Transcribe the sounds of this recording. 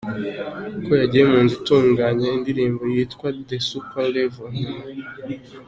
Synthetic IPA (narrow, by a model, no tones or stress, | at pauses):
kojaɟijemuːnzituːŋɡaɲaindiɾiːmbo̞jiːtkwad̪esupalevon